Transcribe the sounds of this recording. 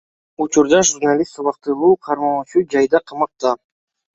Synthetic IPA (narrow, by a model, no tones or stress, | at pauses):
ut͡ʃuɾd̪ɑʒurnalʲist̪uβɑq̚t̪ɯlˠuːqʰɑɾmɑut͡ʃud͡ʒɑjd̪ɑqʰɑmɑq̚t̪ɑ